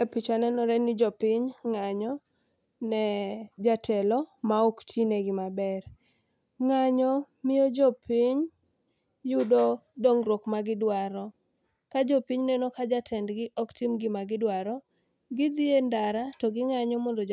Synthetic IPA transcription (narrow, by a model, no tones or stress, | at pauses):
epit͡ʃanɛnɔɾɛnɪd͡ʒɔpɪɲŋaɲɔ | nɛd͡ʒatʰɛlɔmaoktʰineɡɪmabɛr | ŋaɲɔ | mɪjod͡ʒɔpʰiɲ | jʊdɔdoŋɾokmaɡɪdwaɾɔ | kad͡ʒɔpiɲnɛnɔkad͡ʒatʰɛndɡɪʔɔktimɡɪmaɡɪdwaɾɔ | ɡɪd̪ɪendaɾatɔɡɪŋaɲɔmɔndo